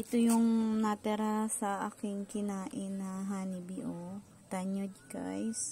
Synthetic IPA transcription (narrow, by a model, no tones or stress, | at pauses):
ʔɪt̪ojʊŋnɐt̪ɛɾasɐʔaːkɪŋkɪnaːʔɪnːɐɦaːnibiʔo | t̪aɲod͡ʒka̰js